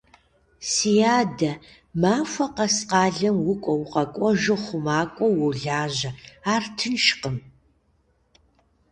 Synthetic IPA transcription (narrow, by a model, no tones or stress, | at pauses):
sijaːdɐ | maːfʷɐqɐsqɑːɮɐmwʊkʷʼɔwʊqɐkʷʼɔʒɪχʷʊmaːkʷʼɔwɔwɮaːʑɐaːrtʰɨnʃqəm